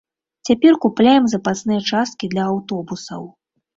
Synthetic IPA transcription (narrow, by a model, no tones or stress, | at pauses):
t͡sʲapʲɛrkuplʲajɛmzɐpasnɨjɐt͡ʂast̪̚kʲid̪lʲɐːwt̪ɔbusɐ̰w